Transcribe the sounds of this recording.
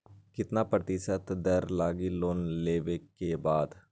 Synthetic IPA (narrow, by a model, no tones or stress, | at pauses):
kɪt̪napɾət̪ɪʃət̪d̪ɐɾlaːɡiloːnleːʋekebaːd̪